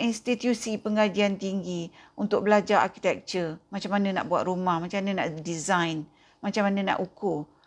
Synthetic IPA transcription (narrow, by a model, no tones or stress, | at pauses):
inst̪it̪jusipəŋad͡ʒiant̪iŋɡiunt̪ʊk̚bəlad͡ʒaa̰rki̥t̪ɛk̚t͡ʃəmat͡ʃamːanə̃na̰ʔbuat̪̚rumahmat͡ʃamanə̃naʔdizajn | mat͡ʃamːanə̃nã̰ʔukʊ